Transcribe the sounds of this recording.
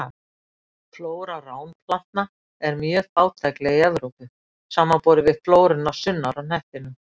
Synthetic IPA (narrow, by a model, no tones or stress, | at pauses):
floːwɾaraːwnpʰlan̥t̪na | ɛɾmjœːɣaːwt̪ʰɛklɛɣiɛðɾowkʏ | saːmapɔːɾɪvɪð̥floːwɾʏnːasʏnːaɾawnɛht̪ɪnʏ